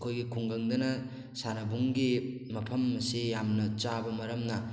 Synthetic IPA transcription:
kʰojɡikʰuŋɡɐŋd̪ɐnɐ | sanɐbuŋɡi | mɐpʰɐmsejamnɐt͡ʃabɐmɐɾɐmnɐ

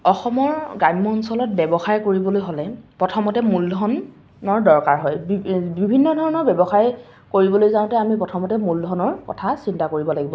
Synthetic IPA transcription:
ɔxɔmɔɹɡajmmɔnsɔlɔt̚bɛbɔxaɹkoɹibɔlojɦolɛpɹɔtʰɔmɔtɛmuldʱɔn | ɔɹdɔɹkaɹɦɔjbibibʱinːɔdʱɔɹɔnɔɹbjɛbɔxaɹ | koɹibɔlojzãʊ̃tɛamipɹɔtʰɔmɔtɛmuldʱɔnɔɹkɔ̰tʰasintakoɹibɔlaɡibɔ

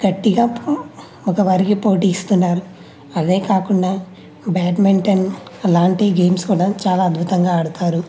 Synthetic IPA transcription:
ɡ̥ɐʈːiɡaː | ɔkɐʋɐɾikipo̞ːʈiːst̪unːaːɾu | ɐd̪e̞ːkaːkuɳɖaː | baːʈmeɳʈɐnɐlaːɳʈiɡeːmskuːɽat͡ʃaːlaːɐd̪bʱut̪ɐŋɡaːɐɽut̪aːɾu

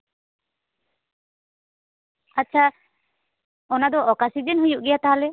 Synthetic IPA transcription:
atːt͡ʃʰa | ɔnad̪ɔʔɔkasid͡ʒɛnɦujuʔɡɛjat̪aɦalɛ

